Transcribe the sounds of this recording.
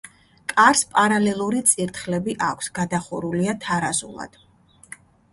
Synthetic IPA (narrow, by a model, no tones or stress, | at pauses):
kʼaɾspʼaɾalɛlˠuɾit̪sʼiɾt̪ʰχlɛbiʔakʷʰsɡad̪aχuɾuliat̪ʰaɾazṵlˠa̰d̪̥